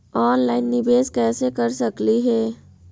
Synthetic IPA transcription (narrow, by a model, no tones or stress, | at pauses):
ɔːnlaːɪnːɪbeːskɛːsekɐɾsɐkliɦɛː